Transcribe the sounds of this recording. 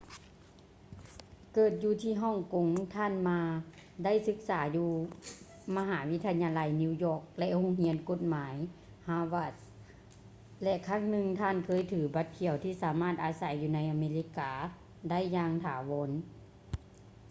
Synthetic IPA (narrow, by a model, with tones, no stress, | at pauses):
kɤː˨˩t̪̚juː˧t̪ʰiː˧˩ɦɔː˧˥˨ŋko˨˦ŋt̪ʰaː˧˥˨nmaː˧da˥˨jsɯ˧˦k̚saː˩˦juː˧ | ma˧ɦaː˩˦wi˦˥t̪ʰa˧ɲaː˧la˧jni˧wjɔː˧˩k̚lɛ˧ʔho˧˥˨ŋhi˧˥ənko˧˥t̪̚maː˨˦j | haː˧wa˧˩s | lɛ˧ʔkʰaː˧˥˨ŋnɯ˧ŋt̪ʰaː˧˥˨nkʰɤː˧˥˨jt̪ʰɯː˨˩˦ba˧˦t̪̚kʰi˧˩əwt̪ʰiː˧˩saː˨˩˦maː˧˥˩t̪̚ʔaː˨˧˦sa˨˩˦jːuː˧na˧˥jʔa˧meː˧li˧˥kaː˧˦ | da˥˩˨jːaː˧ŋt̪ʰaː˨˩˦wɔ˨˦n